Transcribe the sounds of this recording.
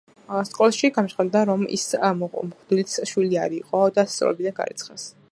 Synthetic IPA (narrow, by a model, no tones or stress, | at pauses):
askʼɔlˠʃiɡanʃχad̪aɾɔmḭsmmχd̪ilit̪sʃwiliaɾiqʼɔd̪ast̪sʼɾɔ̰ɛbid̪anɡa̰ɾit̪sʰχas